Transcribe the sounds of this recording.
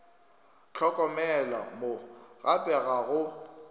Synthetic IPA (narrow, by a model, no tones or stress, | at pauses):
t͡ɬʰɔkʼɔmɛla̰moɣapʼɛɣaɣʊ